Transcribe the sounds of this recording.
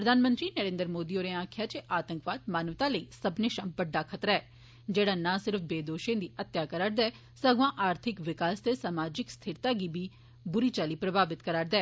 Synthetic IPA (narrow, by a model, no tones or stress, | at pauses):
pɾəd̪ʱaːnmə̃nt̪ɾiːnəɾẽːnd̪ɾəmoːd̪iːoːɾẽãːkʰjaːt͡ʃeʔaːt̪ə̃ŋkʋaːd̪̚maːnəʋt̪ãːləiːsəbneːʃãmbəɖːaːkʰət̪ɾaɛː | d͡ʒeːɽaːnãːsɪɾfʰbeːd̪oːʃẽːd̪iːʔət̪ːjaːkəɾaːɾd̪ɛː | səɡʋãːʔaːɾt̪ʰɪkʋɪkaːst̪eːsamaːd͡ʒɪkst̪ʰɪɾt̪aːɡiːbiː | bʊɾiːt͡ʃaːliːpɾəbʱaːbɪt̪kəɾaːɾd̪ɛː